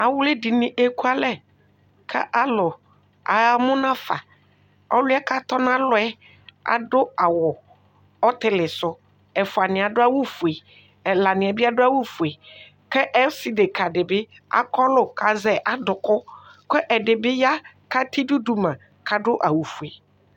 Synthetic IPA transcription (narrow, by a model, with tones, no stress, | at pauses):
a˨wʊ˦le˦dɪ˨nɪ̃˨ʔe˦ku˦a˦lɛ˦ | kʰɛ̰˦ʔa˦lʊ˨ | a˨mʊ̃˦nã˦fa˨ | ɔ˦lʊ˦ɛ˦ka˦t̪ɔ˦n˦ã˦lʊ˨ɛ˦ | a̰˨dʊ˦a˨wʊ˨ | ɔ˦t̪ɪ˦lɪ˨sʊ˦ | ɛ˨fʊ˨a˨nɪ̃˨a˨dʊ˦a˦wʊ˦fu˨e˨ | ɛ˨la˨nɪ̃˨ɛ˨bɪ˦a˦dʊ˦a˦wu˦fu˨e˨ | kɛ˦ʔɛ˦sɪ˨de˨kʰa˨dɪ˨bɪ˦ | a̰˦kɔ˦lʊ˦kʰa˨zɛ˨ʔa˦dʊ˨kʊ˦kɛ˦ʔɛ˨dɪ˨bɪ˦ja˦ | ka˦tʰi˦du˦du˨mã˨ | kʰa˨dʊ˦ʔa˨wu˨fu˨e˨